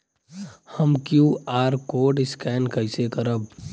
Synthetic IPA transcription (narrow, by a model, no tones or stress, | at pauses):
həmkjuːaːɾkoːɖɪskɛːnkəɪsekəɾəb